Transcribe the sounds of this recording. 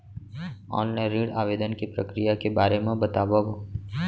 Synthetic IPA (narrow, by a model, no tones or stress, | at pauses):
ɔ̰ːnnɛɾiːɽa̰ːʋeːd̪ənkipɾə̰kɾijakebaːɾemẽbɐt̪aːʋaɦoː